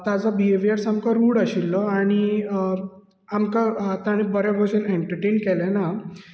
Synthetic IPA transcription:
t̪ad͡zɔbieʋiaɾsamkaɾuːɽaɕilːɔaɽ̃i | amkat̪aɽ̃ibəɾaɡɔɕəneɳʈəɾʈeːnkɛlɛna

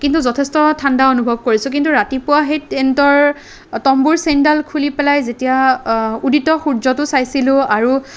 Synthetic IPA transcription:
kintuzɔtʰɛstɔtʰandaonubʱɔb̚koɹisʊk̬intuɹatipʊwaɦetentɔɹ | tɔmbuɹsendalkʰulipɛlajzetijauditɔxuɹzɔtʊsajsilʊ̃aɹu

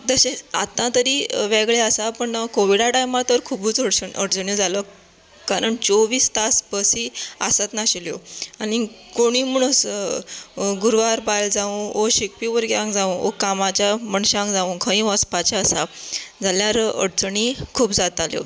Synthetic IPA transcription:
d̪əɕeat̪ãt̪əɾiːʋɛɡɭeasapəɳkoʋiɽaʈajmat̪əɾkʰubuːt͡səɽsəɳʔə̰ɽt͡səɳjod͡zalə | kaɾəɳt͡soʋiːst̪asbəsiːasət̪naɕiljo̰aɽ̃ikoɽ̃iməɳus | ɡuɾʋaɾbajld͡zaũoɕek̚piʋəɾɡeãŋkd͡zaũo̰kamat͡ɕaməɳɕãŋkd͡zaũkʰə̃ĩʋəspat͡ɕaəsad͡zaljaɾə̰ɽt͡səɳikʰuːbd͡zat̪aljo̰

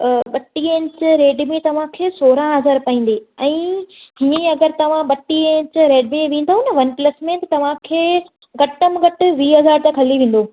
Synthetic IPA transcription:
ɓɐʈːiẽnt͡ɕɪɾeːɖmẽt̪ɐʋ̤ãkʰeːsoːɾãɦɐzaːɾpɐĩːn̆d̪iɛ̃ːɦiɐ̃ɐɡəɾt̪ɐʋ̤ãɓɐʈːiẽːnt͡ɕɪɾeːɖmẽʋẽːn̆d̪aunɐʋɐnplɐsmẽt̪ɐt̪ɐʋ̤ãkʰeː | ɡɐʈːəmɡɐʈɪ̆ʋiːɦɐzaːɾt̪ẽkʰɐliʋẽːn̆d̪oː

